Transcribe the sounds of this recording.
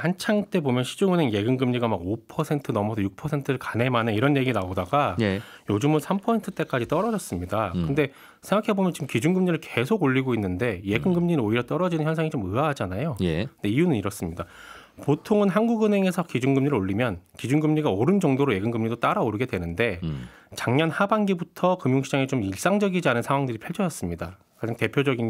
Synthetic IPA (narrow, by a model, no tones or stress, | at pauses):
hant͡ɕʰaŋt͈e̞bomjʌnɕʰi̥d͡ʑoŋɯnɦe̞ŋje̞ɡɯŋɡɯmɲiɡamaɡopʰʌsʰe̞ntʰɯnʌmʌsʰʌjuk̚pʰʌsʰe̞ntʰɯɾɯɭkane̞manɯiɾʌnje̞ɡinaodaɡajod͡ʑɯmɯnsʰampʰʌsʰe̞ntʰɯt͈e̞k͈ad͡ʑit͈ʌɾʌd͡ʑʌs͈ɯmɲidakɯnde̞ | sʰe̞ŋɡakʰe̞bomjʌnt͡ɕiɡmkid͡ʑunɡɯmɲiɾɯɭkesʰoɡoʎːiɡoinːɯnde̞je̞ɡɯnɡɯmɲinɯnoiɾjʌt͈ʌɾʌd͡ʑinɯnçjʌnsʰaŋit͡ɕomɯaɦad͡ʑanajojedeijunɯniɾʌs͈ɯmɲida | potʰoŋɯnɦanɡuɡɯnɦe̞ŋe̞sʰʌkid͡ʑunɡɯmɲiɾɯɭoʎːimjʌnkid͡ʑunɡɯmɲiɡaoɾɯnd͡ʑʌŋdoɾoje̞ɡɯnɡɯmɲidot͈aɾaoɾɯɡe̞dwe̞nɯnde̞ | t͡ɕaŋɲʌnhabanɡibutʰʌkɯmjoŋɕʰid͡ʑaŋet͡ɕomiɭs͈aŋd͡ʑʌɡid͡ʑianɯnsʰaŋwaŋdɯɾipʰaɭt͡ɕʰʌd͡ʑʌs͈ɯmɲida | kad͡ʑaŋte̞pʰjod͡ʑʌɡin